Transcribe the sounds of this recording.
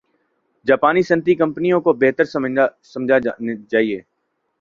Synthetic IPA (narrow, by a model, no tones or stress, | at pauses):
d͡ʒaːpaːnisɐ̃nt̪ikɐ̃mpənijõkobeɦt̪əɾssɐ̃md͡ʒʱad͡ʒaːieː